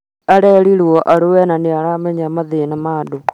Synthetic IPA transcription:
aɾɛɾiɾwɔʔaɾowɛnaneaɾamɛɲamaðenamaːdo

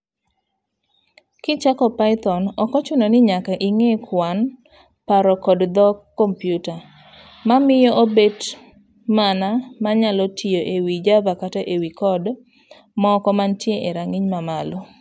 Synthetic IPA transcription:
kɪt͡ʃakɔpaɪt̪ɔnɔkɔt͡ʃʊnɔnɪɲakaʔiŋekʰwan | paɾɔkɔdd̪ɔkːɔmpjuta | mamɪjɔʔobet | manamaɲalɔtʰijoʔewid͡ʒabakataʔewikɔd | mɔkɔmantjeʔeɾaŋiɲmamalɔ

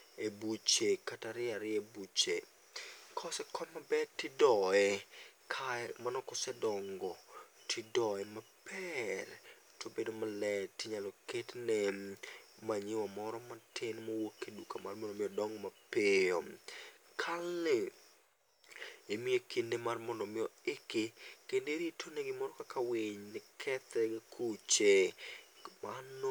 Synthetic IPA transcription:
ebut͡ʃekataɾɪaɾɪebut͡ʃe | kʰɔsɛkʰɔnmabɛtɪdɔɛkʰamanɔkɔsɛdɔŋɡɔtʰɪdɔɛmapɛr | tʰobedomalɛtɪɲalɔketnɛ | maɲɪwamɔɾɔmatɪnmawokːedukamarmɔndɔmɪjɔdɔŋɡmapejo | kʰalːe | emiekindemarmɔndɔmɪjɔekekendeɾitʰonɛɡɪmɔɾɔkakawɪɲnɪkʰɛt̪ɛɡkʰut͡ʃe | man

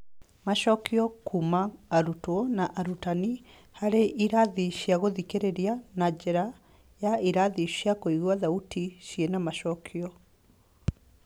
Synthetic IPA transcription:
maʃɔkiɔkʰumaːɾutwɔnaʔaɾutani | haɾeʔiɾaðiɕiaɣoðikeɾeɾianad͡ʒɛɾa | jaiɾaðiɕjakoiɣwaðautiɕienamaʃɔkʰiɔ

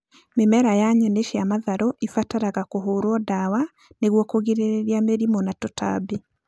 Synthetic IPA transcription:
memɛɾajaɲɛneʃiamaðaɾɔʔifataɾaɣakoɦoːɾwɔdawa | neɣwɔkoɣiɾeɾeɾiameɾimɔnatɔta̰be

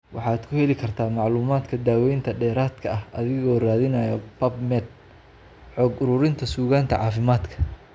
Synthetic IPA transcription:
wʔɑħɑːd̪kʰʊhɛlɪkʰɐrt̪ʰaːmɑʕluːmaːd̪kʰɐd̪aːwɛjnt̪ʰɐɖɛːɾaːd̪kʰɐɐhɐðɪɣɔːraːðɪnɐːjɐpɐbmɛd̪̚ | ħɔːɡʊɾʊɾɪnt̪ʰɐsuːɣaːnt̪ʰɐʕɑːfɪmaːd̪kʰɐ̥

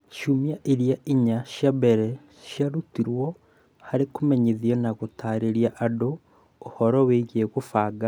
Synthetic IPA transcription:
ʃumiaʔiɾjaʔiɲaʃjabeɾe | ʃjaɾutiɾwo | haɾekumeɲeðionaɣutaːɾeɾjaʔːdoː | hoɾoweiɣeɣufaːɡa

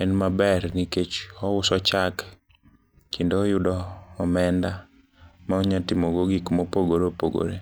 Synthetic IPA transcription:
ɛnmabɛrniket͡ʃɔwʊsɔt͡ʃak | kindoːjʊdɔːmɛnda | maɔɲɔtimoɡoɡikmopoɡoɾopoɡo̰ɾḛ

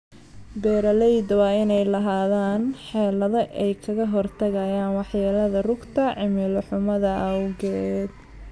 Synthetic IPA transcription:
bɛːɾɐlɛjd̪wɑːɪnɛjlɐɦaːðaːnħɛːlɐðɐʔɛjkʰɐɣɐɦɔrt̪ʰɐɣɐjaːnwɑħjaːlɐðɐrʊɡt̪ʰɐʕɪmɪlʊħʊmɐðɐʔɐwɣɛd̪̚

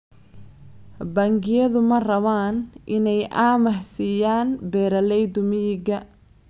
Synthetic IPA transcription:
baːŋɡɪjɐðʊmɐrɐβaːnʔɪnɛjʔaːmɐħsijaːnbɛːɾɐlɛjd̪ʊmɪjɪɡɐ

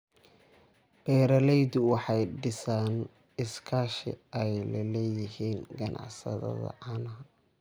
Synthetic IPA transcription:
b̥ɛːɾɐlɛjd̪ʊwɑħɑjɖɪsaːn | ɪskʰaːʃɪ̰ɛjlɐlɛːjɪhiːnɡɐnʔɑ̰ʕsɐ̰ðɐ̰ðɐ̰ʕɑnɐ

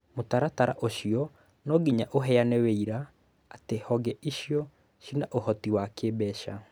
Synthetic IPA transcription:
motaɾataɾa̰ʔoɕiɔ | nɔɡiɲaʔoɦɛanɛweiɾaː | tehɔɡɛʔiɕjɔ | ʃinaʔohɔtiwakebɛʃa̰

